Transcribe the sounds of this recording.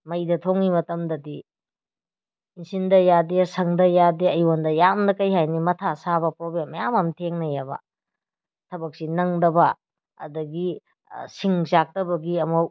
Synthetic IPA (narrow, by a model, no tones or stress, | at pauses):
mɐjdɐtʰoŋimɐtɐmdɐdi | nsindɐjadesɐŋdɐjadeɐjondɐjamdɐkɐjɦajnimɐtʰasabɐpɾoblemːɐjamɐmtʰeŋnɐjabɐ̰ | tʰɐbɐk̚sinɐŋdɐbɐ | ɐ̰dɐɡi | siŋzak̚tɐbɐɡiɐmɐw